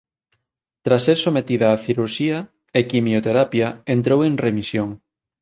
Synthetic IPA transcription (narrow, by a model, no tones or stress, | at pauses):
t̪ɾasːeɾsomet̪iðɐːθiɾuɾʃiɐ | ekimjot̪eɾapjaent̪ɾowẽŋremisjoŋ